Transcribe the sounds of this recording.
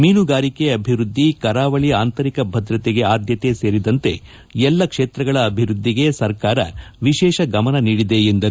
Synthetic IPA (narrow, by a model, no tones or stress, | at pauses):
miːnuɡaːɾike̞ɐbʱiʋɾud̪ʱːikɐɾaːʋɐɭiaːnt̪ɐɾikɐbʱɐd̪ɾɐt̪eɡe̞aːd̪jɐt̪e̞se̞ːɾid̪ɐnt̪e̞̰ | ɛlːɐkʂeːt̪ɾɐɡɐɭɐːbʱiɾud̪ʱːiɡe̞sɐɾkaːɾɐ̰ʋiʃɛːʃɐɡɐmɐnɐniːɽid̪e̞end̪ɐɾu